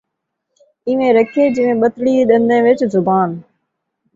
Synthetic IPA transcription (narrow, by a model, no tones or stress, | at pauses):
ɪʋẽːɾəkʰieːd͡ʑɪʋẽɓət̪ɽiːɗənd̪ẽːʋɪt͡ʃzʊbaːn